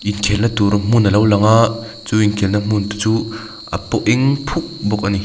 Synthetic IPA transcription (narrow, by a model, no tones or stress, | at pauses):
ʔinkʰɛlnat̪uɾam̥unəlowlaŋaʔ | t͡suiŋkʰɛlnam̥unt̪u̥t͡su | ʔa̰pɔʔʔɛŋpʰuk̚bɔk̚ʔani